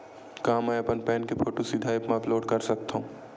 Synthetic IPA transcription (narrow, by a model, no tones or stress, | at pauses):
kaːmːɛɐpənpɛːnkepʰoːʈosid̪ʱaepmãploːɽkɐɾsɐk̚t̪aũː